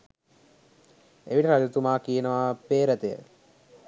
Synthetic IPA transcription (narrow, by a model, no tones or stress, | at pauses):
eʋiʈəɾad͡ʒut̪umaːkijenəʋapeːɾət̪ejə̰